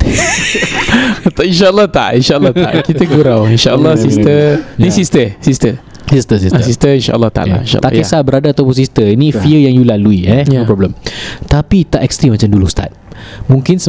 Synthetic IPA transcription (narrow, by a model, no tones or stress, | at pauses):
t̪inʃaʔəlːɔt̪a̰ʔinʃaəlːɔa̰ʔkit̪əɡuɾawinʃaəlːɔsist̪ənisist̪əsist̪ə | sist̪əs̬issist̪əinʃa̰ʔə̰lːɔht̪a̰ʔa̰iʃa̰t̪a̰ʔkesabəɾadaːt̪awpʊns̬ist̪əinĩfiəjaŋjulaluiɛipɾɔbləmt̪apit̪aʔɛkst̪ɾimat͡ʃamdulust̪a̰t̪̚mũŋkɪnsə